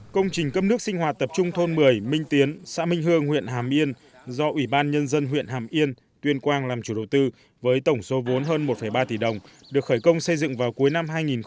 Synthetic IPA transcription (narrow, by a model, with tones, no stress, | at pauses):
kə˧wŋ͡mt͡ɕï˨˩ŋ̟kə˧p̚nɨ˦˥ək̚sï˧ŋ̟ɦwaː˨˩t̚t̪ə˨˩p̚t͡ɕʊ˧ŋ͡mt̪ʰo˧nmɨ˨˩əjmï˧ŋ̟t̪i˨˦ənsa̰ː˧˥mï˧ŋ̟ɦɨ˧əŋhwḭ˧˨ənɦaː˨˩mʔi˧ən | zɔ˧ʔwi˧˩ɓaː˧nɲə˧nzə˧nɦwḭ˧˨ənɦaː˨˩mʔi˧ən | t̪wi˧ənkwaː˧nlaː˨˩mt͡ɕu˧˩ɗə˨˩wt̪ɨ˧ | vəː˨˦jt̪ə˧˩wŋ͡mso˨˦vo˨˦nɦəː˧nmo˨˩t̚fə˧˩jɓaː˧t̪i˧˩ɗə˨˩wŋ͡m | ɗɨ˨˩ək̚xəː˧˩jkə˧wŋ͡msə˧jzɨ̰˧˨ŋvaː˨˩wku˨˦əjna˧mɦaː˧jŋi˨˩n